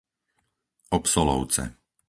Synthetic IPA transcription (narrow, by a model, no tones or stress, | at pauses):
ɔpsɔlɔ̰ʊt͡sɛ̰